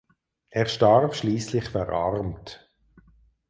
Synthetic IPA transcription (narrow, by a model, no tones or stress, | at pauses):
ʔɛːʁʃtaʁbʃliːslɪχfɛʁʔa̰ʁmt